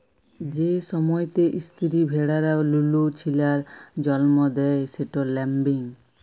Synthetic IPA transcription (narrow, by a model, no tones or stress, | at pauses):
d͡ʑeʃɔmɔjt̪eʔist̪ʰiɾibʱeɽaɾalulut͡ɕʰilaɾd͡ʑɔlmɔd̪ɛjseʈolɛmbiŋ